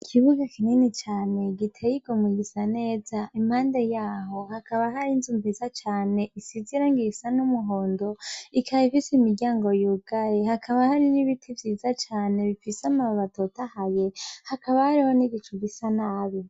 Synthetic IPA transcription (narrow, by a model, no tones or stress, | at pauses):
ikʰiβuɡakʰininit͡ʃaːne̞ɡitʰejiɡ̥omuɡisane̞ːzaʔimhaːnde̞jaːɦo̞hakaβaɦaɾinzumbizat͡ʃaːne̞isiziɾaŋɡisanumuɦo̞ːndo̞ikʰaifisemiɾɟaːŋɡo̞juɡ̥ajehakʰaβahaɾiniβitʰivjiːzat͡ʃaːne̞βifisamaβatotahaje̞hakaβahaɾihoniɡit͡ʃuɡisanaːβi